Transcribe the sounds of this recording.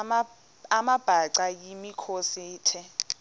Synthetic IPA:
amab̥ʱaǀajimikʰosiːtʰɛ

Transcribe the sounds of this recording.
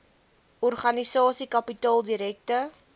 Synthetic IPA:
ɔrχɐnisɑːsikɐpitɑːlˠdiɾɛk̚tə

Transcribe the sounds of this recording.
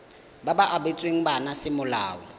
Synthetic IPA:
babaʔabet͡sʼweŋ̩banasɪmʊlaːɔ

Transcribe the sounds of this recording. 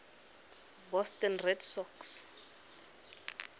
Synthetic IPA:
bɔstɛnrɛdsɔks

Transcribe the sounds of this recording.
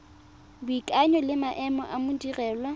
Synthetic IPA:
bʊikʼaɲɔlɪmaʔɛmɔ̰ʔamʊdirɛːlwa

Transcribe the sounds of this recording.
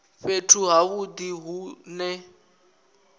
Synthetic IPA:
fetʰuɦaβudiɦunɛ

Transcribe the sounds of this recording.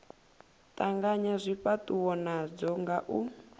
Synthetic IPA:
tʼaŋɡaɲazʷiɸatʼuwɔnad͡zɔŋɡaʔu

